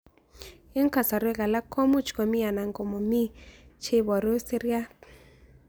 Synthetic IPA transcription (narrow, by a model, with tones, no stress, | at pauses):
ɪ˦ŋ˦ka˨sa˨ɾwe˦ɣa˨la˦kʰɔ˦mu˦t͡ʃkɔ˨mi˦a˨na˨ŋɡɔ˨mɔ˨mi˦t͡ʃʰe˦βɔ˨ɾo˦se˦ɾja˦